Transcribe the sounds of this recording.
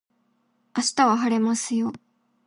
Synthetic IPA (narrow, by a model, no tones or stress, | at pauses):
aɕi̥t̪aβaɦaɾe̞masɨjo̞